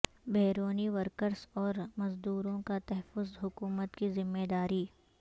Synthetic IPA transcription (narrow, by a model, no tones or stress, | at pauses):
beːɾoːniʋəɾkəɾsɔːɾmɐzd̪uːɾõkat̪ɛɦɛfʊzɦʊkuːmət̪kizɪmːeːd̪aːɾiː